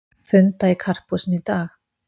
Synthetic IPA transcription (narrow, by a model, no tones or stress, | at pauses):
fʏnt̪aikʰar̥pusnit̪aːx